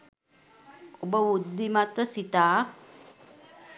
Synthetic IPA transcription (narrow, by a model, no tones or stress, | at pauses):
obəʋud̪ːimat̪əsit̪aː